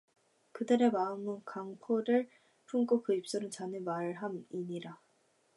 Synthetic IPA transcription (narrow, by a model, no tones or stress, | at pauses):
kɯdɯɾe̞maɯmɯnkaŋpʰoɾɯɭ | pʰuŋk͈ok͈ɯip̚s͈oɾɯnt͡ɕanɯmaɭɦamiɲiɾa